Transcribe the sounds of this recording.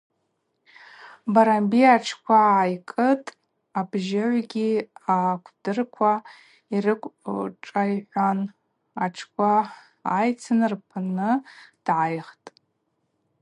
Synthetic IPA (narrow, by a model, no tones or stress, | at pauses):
baɾambiaʈ͡ʂʰkʷʰaːjkʼɨtʼ | abʒaʕʷɡʲiakʷʰd̥ɨrkʷʰa | irɨkʷʼʈ͡ʂʼajħʷan | aʈ͡ʂʰkʷʰaː | jt͡sʰɨnɨrpʰanɨd̥ʕajχtʼ